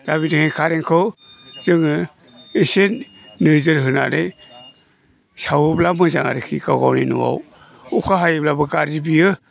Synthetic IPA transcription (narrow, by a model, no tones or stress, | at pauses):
d̥aβidɯŋekʰaɾeŋkʰɯwzɯŋɯ | isenː | ɯzɯɾɦɯna̰ɾe | sawɯblamɯza̰ŋa̰ɾɯkʰḭɡaɡa̰wninṵwa̰w | ukʰaɦajɯblabɯɡaɾzibiɯ